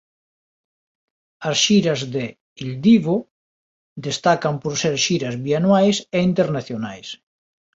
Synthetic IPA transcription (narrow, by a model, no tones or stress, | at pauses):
asʃiɾazðe | ild̪iβo | d̪est̪akampoɾseɾʃiɾazβianwajseint̪eɾnaθjonajs